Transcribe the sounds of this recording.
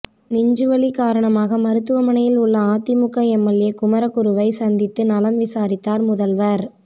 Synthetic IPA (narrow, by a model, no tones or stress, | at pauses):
nɪɲd͡ʒɯʋɐlikaːɾɐɳɐmaːɣɐmɐɾɯt̪ːɯʋɐmɐɳɐjɪlʊɭːɐaːt̪ːɪmʊkːɐɛmːɐljeːkʊmɐɾɐkʊɾɯʋɐɪsɐnd̪ɪt̪ːɯnɐlɐmʋɪsaːɾɪt̪ːaːɾmʊðɐlʋɐɾ